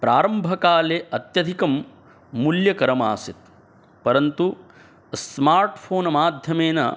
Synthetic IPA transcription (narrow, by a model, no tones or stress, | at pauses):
pɾaːɾɐmbʱɐkaːleʔɐt̪jɐd̪ʱikɐmː | uljɐkɐɾɐma̰ːsit̪̚ | pɐɾɐnt̪u | smaːɾʈpʰoːnɐmaːd̪ʱjɐmeːnɐ̰